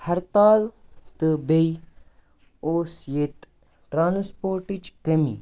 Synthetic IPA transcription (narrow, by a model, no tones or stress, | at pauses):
hɐɾt̪aːlt̪ɨbej | oːsjet̪ | ʈɾaːnspoːɾʈit͡ʃkɐmḭ